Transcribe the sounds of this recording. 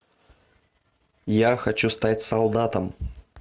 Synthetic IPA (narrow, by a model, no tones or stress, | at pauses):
jaxɐt͡ɕust̪atʲsɐlˠd̪at̪əm